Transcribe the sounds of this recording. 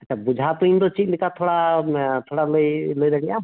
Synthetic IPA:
əːt͡ʃʰaːbʊd͡ʒʱat̪õĩnd̪ot͡ʃid͡ʒlɪkat̪ʰoːɽat̪ʰoːɽaloiloːiɾɛɡijaː

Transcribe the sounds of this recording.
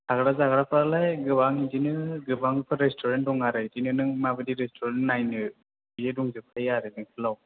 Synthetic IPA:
aɡɾazaɡaɾapʰɯɾalajɡɯbaŋid͡ʒinɯɡɯbaŋɯpʰɯɾestʰɔɾendɔŋaɾɯjdinɯnɯŋmabɯdiɾestʰuɾennajnɯ | bieduŋzɯpʰajaɾɯnɯkʰɯlaw

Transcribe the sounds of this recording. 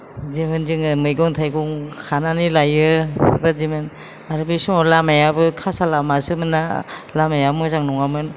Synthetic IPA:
zemɯnzɯŋmɯjɡɔŋtʰajɡɔŋkʰananilajɯɾazimɯn | aɾɯbisɔɔlamajabɯkʰasalamasɯmɯnalamajamɔzaŋnɔŋamɯn

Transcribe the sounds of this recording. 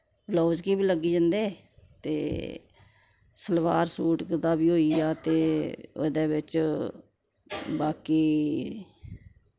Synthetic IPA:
bloːd͡ʒkiːbiːləɡːiːd͡ʒənd̪eːt̪ḛː | səlʋaːɾsuːʈkd̪aːbiːɦoːiːaːt̪eːo̰d̪eːbɪt͡ʃ | baːkiː

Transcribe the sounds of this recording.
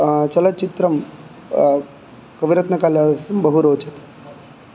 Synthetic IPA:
t͡ʃɐlɐt͡ʃit̪ɾɐm | kɐʋiɾɐt̪nɐkaːljaːdɐsumbɐɦuɾoːt͡ʃɐt̪

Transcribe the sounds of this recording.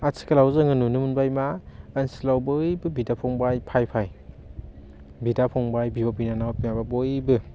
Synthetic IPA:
asʰi̥kalawzɯŋɯnunɯmunbajmaːnsilawbɯjbɯbidapʰɔŋbajpʰajpʰaj | bidapʰɔŋbajbibɔpinanawpinababɔjbɯ

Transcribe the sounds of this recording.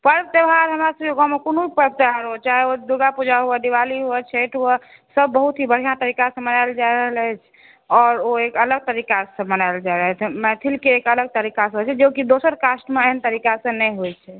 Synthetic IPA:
pəɾb̚t̪ebɦaɾɦəmɾasəb̚keɡɔmekonoipəɾb̚t̪əbɦaɾɦot͡ʃaɦɛod̪uɡapud͡ʒʱaɦuəd̪iʋaliɦuɛt͡ʃʰeʈɦuə | səbːəɦut̪ɦibəɽ̤ijãt̪əɾikasə̃mənaɪld͡ʒaeɾəɦələt͡ʃʰ | ɔːɾoekələɡ̚t̪əɾikasə̃mənaɪld͡ʒaɾəɦt̪ʰmɛt̪ʰilkeːkələɡ̚t̪əɾikasə̃ɦojt͡ʃʰɛd͡ʒokid̪osəɾkasʈmeeɦənt̪əɾikasə̃nɛjɦojt͡ʃʰɛ

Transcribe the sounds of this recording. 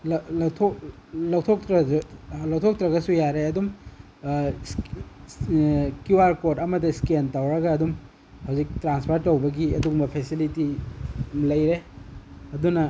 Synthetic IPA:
llɐwtʰok | lɐwtʰok̚tɾɐlɐw̚tʰok̚tɾɐɡɐsujaɾeɐdum | s | kuwaɾkodɐmɐdiskentawɾɐɡɐːdum | hɐwzik̚tɾanspʰaɾtːɐwbɐɡiɐdumbɐpʰesiliti | lɐjɾe | ɐdunɐ

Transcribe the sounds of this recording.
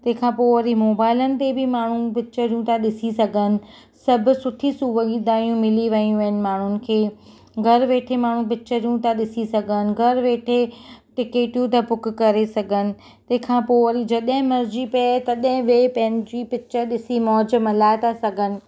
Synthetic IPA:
t̪ɐ̃ɦɪ̃kʰãːpoːʋɐɾimoːbaːɪlənɪ̆t̪ebɪmaːɳ̤ũpɪt͡ɕəɾijũt̪aɗɪsisɐɡʱənɪ̆ | sɐbʱʊ̆sʊʈʰisuʋɐɠiːd̪aːjũmɪliʋɐijũʋɐɦənɪ̆maːɳ̤ʊnɪ̆kʰeː | ɡʱɐɾʋeːʈʰemaːɳ̤ũpɪt͡ɕəɾijũt̪aɗɪsisɐɡʱənɪ̆ɡʱɐɾʋeːʈʰeʈɪkeːʈjũt̪ɐpʊk̆kɐɾesɐɡʱənɪ̆ | t̪ɐ̃ɦɪ̃kʰãːpoːʋɐɾid͡ʑɐɗɦɪ̃mɐɾd͡ʑipɐt̪ɐɗɦɪ̃ʋeːpɐ̃ɦɪ̃nɪ̆d͡ʑiːpɪt͡ɕəɗɪsimɔːd͡ʑəmɐlaːɪt̪ʰasɐɡʱənɪ̆

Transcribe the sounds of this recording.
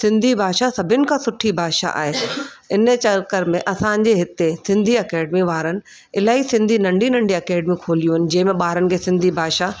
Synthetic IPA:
sɪ̃nd̪ʱibʱaːʃasɐbʱɪnɪ̆kʰãsʊʈʰibʱaːʃa̰ʔa̰ːɦeɪnt͡ɕɐɾkəɾmẽʔɐsãɲd͡ʑeɦɪt̪esɪ̃nd̪ʱiɐkɛːɖmiʋaːɾənɪ̆ | ɪlaːɦisɪ̃nd̪ʱinɐ̃ɳɖʱinɐ̃ɳɖʱiɐkɛːɖmikʰoːlijũɦɪnɪ̆d͡ʑɐ̃ɦɪ̃mẽɓaːɾənɪ̆kʰeːsɪ̃nd̪ʱibʱaːʃa

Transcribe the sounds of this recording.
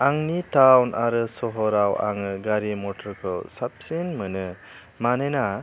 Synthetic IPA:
aŋnitawnʔaɾɯsɔɦɔɾawa̰ŋɯɡaɾimɔtɔɾkʰɔwsap̚senmɯnɯ | manena

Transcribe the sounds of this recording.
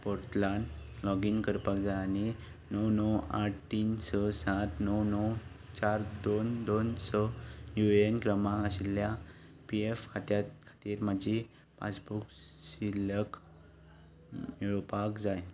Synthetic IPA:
poɾt̪laɳlɔɡinkəɾpakd͡zajañi | nəwnɔwaʈʰt̪iːnsəsat̪ʰnəwnɔw | t͡ɕaɾd̪ond̪onsəjuenkɾəmaəɕilja | piefkʰat̪jat̪kʰḁt̪iːɾməd͡ʑi | pa̰t͡sbuk | silək | juɭopakd͡zaj

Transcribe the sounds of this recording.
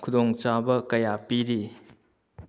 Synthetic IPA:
kʰudɔŋt͡ʃabɐkɐjapiɾi

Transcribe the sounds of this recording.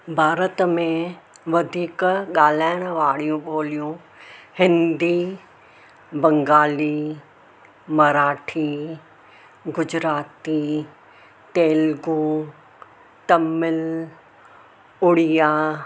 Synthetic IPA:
bʱaːɾət̪mẽʋɐd̪ʱiːkɠaːl̤aːɪɪɽ̃ʋaːɽ̤ijũɓoːlijũ | hɪ̃nd̪iː | bɐ̃ŋɡaːliː | mɐɾaːʈʰiː | ɡʊd͡ʑɾaːt̪i | t̪eːlɡõː | t̪ɐmɪl | ʊɽijaː

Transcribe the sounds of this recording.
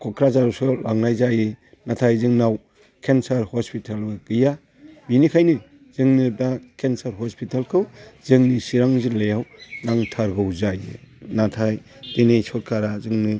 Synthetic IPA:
kʰɔkʰɾazaɾɔsɔlaŋnajzajɯ | natʰajzɯŋnaw | kʰensaɾhɔspitʰalɯɡ̥ɯja | binikʰajnɯ | z̥ɯŋnɯbakensaɾɦɔspitalkʰɯwzɯŋnisiɾaŋzɯlejawnaŋtʰaɾɡɯwzajɯ̰natʰaj | d̥inejsɔt̚kʰaɾazɯŋnɯ

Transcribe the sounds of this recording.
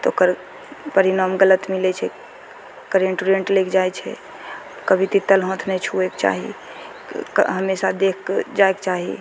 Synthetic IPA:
t̪okəɾ | pəɾinamɡələt̪milɛt͡ʃʰɛ | kəɾeɳʈuɾeɳʈlekd͡ʒajt͡ʃʰɛ̰ | kəbʱit̪it̪ːəlɦõt̪ʰnɛt͡ʃʰuekt͡ʃa̰ɦḭ | ɦəmesad̪ekʰd͡ʒaekt͡ʃaɦḭ

